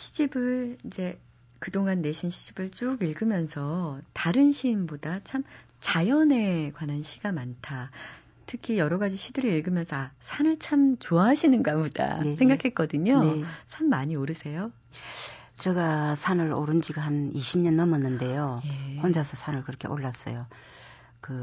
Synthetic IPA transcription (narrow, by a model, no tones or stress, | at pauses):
ɕʰi̥d͡ʑibɯɭid͡ʑe̞ | kɯdoŋanːe̞ɕʰinɕʰid͡ʑibɯɭt͡ɕ͈uɡiɭɡɯmjʌnsʰʌtaɾɯnɕʰiːmbodat͡ɕʰam | t͡ɕajʌne̞kwananɕʰiɡ̥amantʰa | tʰɯkʰijʌɾʌɡad͡ʑiɕʰidɯɾɯɭiɭɡɯmjʌnsʰʌasʰanɯɭt͡ɕʰamt͡ɕoaɦaɕʰinɯnɡaboda̰esʰeŋɡakʰet̚k͈ʌdɯɲosʰanmaɲioɾɯsʰe̞jo | t͡ɕeɡasʰanɯɾo̰ɾɯnd͡ʑiɡahaniɕʰimɲʌnːʌmʌnːɯnde̞jojehond͡ʑasʰʌsʰanɯɭkɯɾʌkʰe̞̰ʔoɭːas͈ʌ̰jo | kɯ